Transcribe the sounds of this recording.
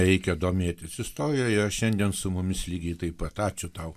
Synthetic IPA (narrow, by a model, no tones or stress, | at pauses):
ɾʲɛɪkʲɛd̪oːmʲeːt̪ʲɪsɪst̪oːɾʲɪjɛɪɾɐʃʃʲɛnʲd̪ʲiɛnsʊmʊmʲɪslʲiːɡʲɛɪt̪ɐɪpɐt̪ɑːt͡ʃʲʊt̪ɐʊ